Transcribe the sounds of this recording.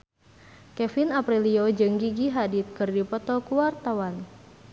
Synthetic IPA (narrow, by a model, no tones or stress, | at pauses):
kɛfinapɾiliod͡ʒɨŋɡiɡiɦadit̪̚kɨrdipɔt̪ɔkuwart̪awan